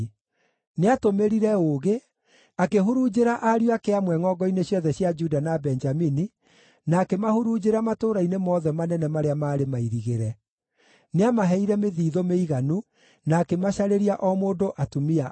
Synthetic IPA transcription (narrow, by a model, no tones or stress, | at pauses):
neatomeɾiɾɛoɣe | akeɦuɾud͡ʒeɾaʔaɾjwakeamwɛŋɔɡɔineɕjɔðɛɕjad͡ʒudanabɛnd͡ʒamini | naːkemahuɾud͡ʑeɾamatoːɾainemɔːðɛmanɛnɛmaɾeamaːɾemaiɾiɣeɾɛ | neamaɦɛiɾɛmeðiːðomeiɣanu | naːkemaɕaɾeɾiaʔɔmoːndoʔatumia